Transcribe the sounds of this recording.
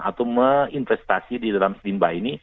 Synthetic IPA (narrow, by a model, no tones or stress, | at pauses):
a̰t̪awməinfɛst̪asididalamsdimbaini